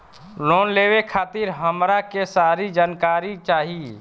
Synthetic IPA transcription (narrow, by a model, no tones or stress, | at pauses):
loːnleːʋekʰaːt̪ɪɾɦəmɾakesaːɾid͡ʒaːnkaːɾit͡ʃaːɦie